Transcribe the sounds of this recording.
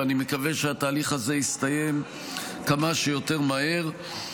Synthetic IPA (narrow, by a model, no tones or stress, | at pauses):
animekave̞ʃeat̪aːliχaze̞ist̪aje̞m | kamaʃejo̞t̪e̞ʁmahe̞ʁ